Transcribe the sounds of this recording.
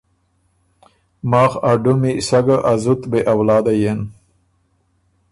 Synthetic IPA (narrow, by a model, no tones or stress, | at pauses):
mɑːxaɖumisaɡaʔazut̪beʔawlɑːd̪ajen